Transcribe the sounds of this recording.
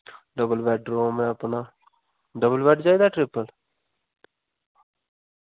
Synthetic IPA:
ɖəbəlʋɛːɖɾoːmɛ̃ːəpnaː | ɖəbəlʋɛːɖd͡ʒaːiːd̪aːʈɾɪpːəl

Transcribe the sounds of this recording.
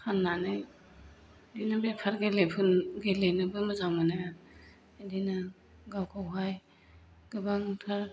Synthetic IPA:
hʰanːanɯj | dinabepʰaɾɡelepʰɯnɡelejnɯbɯmɯzawmanaja | dina | ɡawkʰawɦaj | ɡ̥ɯbaŋtʰaɾ

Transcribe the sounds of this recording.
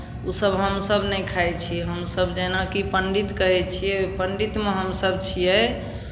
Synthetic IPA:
usəbɦəmsəbnɛjkʰajt͡ʃʰiɛɦəmsəbd͡ʒenakipəɳɖit̪kəɦɛt͡ʃʰijɛpəɳɖit̪meɦəmsəb̚t͡ʃʰijɛ

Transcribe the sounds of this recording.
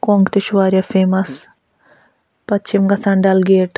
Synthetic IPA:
koːŋɡt̪iʃʋaːɾʲjɐfʰeːmɐs | pɐtt͡ʃʰimɡɐsɐɳɖɐlɡeːʈ

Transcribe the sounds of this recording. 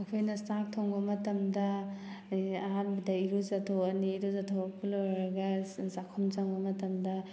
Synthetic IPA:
ɐkʰojnɐstak̚tʰɔŋbɐmɐtɐmdɐ | ɐɦanbɐdɐiɾuzatʰowɐniːɾuzatʰowɐpilɔɾɾɐɡɐzakʰumt͡ʃaŋbɐmɐtɐmdɐ

